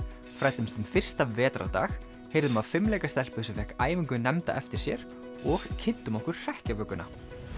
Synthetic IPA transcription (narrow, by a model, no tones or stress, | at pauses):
fɾajt̪ʏmst̪ʏmfɪr̥st̪avɛːt̪ɾa̰t̪a̰ːx | heːjɾðʏmaðfɪmlɛjkast̪ɛl̥pʏsɛfɛhkaːjvɪŋkʏnɛmt̪a̰ʔɛft̪ɪɾ̥sjɛ̰ɾ | ɔɣcʰɪnt̪ʏmɔhkʏɾ̥r̥ɛhcavœːkʏna